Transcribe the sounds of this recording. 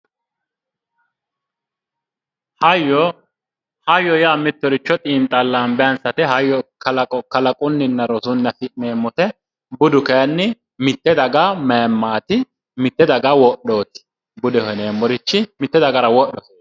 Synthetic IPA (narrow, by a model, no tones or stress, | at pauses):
hɐjɔ | hɐjːɔjaːmɪt̪ːɔɾɪt͡ʃːɔt̪ʼiːnt̪ʼɐlːaːnbɛjɐnsɐt̪ɛɦɐjːɔkɐlɐkʼɔkɐlɐkʼʊnːɪnːɐɾɔsʊnːɐfɪmeːmːɔt̪ɛ | bʊd̪ʊkɛjɐnːɪ | mɪt̪ːɛd̪ɐɡameːmːaːt̪ɪ | mɪt̪ːɛd̪ɐɡɐwɔɗo̞ːt̪ɪ̥ | bʊd̪ɛhɔneːmːɔɾɪt͡ʃːɪmɪt̪ːɛd̪ɐɡɐɾɐwɔɗɔkeː